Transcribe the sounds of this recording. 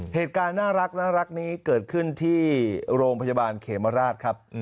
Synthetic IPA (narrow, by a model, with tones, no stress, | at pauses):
heː˨˩t̪̚kaː˧nːaː˥˩ɾa˦˥k̚naː˥˩ɾa˦˥k̚niː˦˥kɤː˨˩t̪̚kʰɯ˥˩nt̪ʰiː˥˩ɾoː˧ŋpʰa˧jaː˧baː˧nkʰeː˩˦ma˧ɾaː˥˩t̪̚kʰa˦˥p̚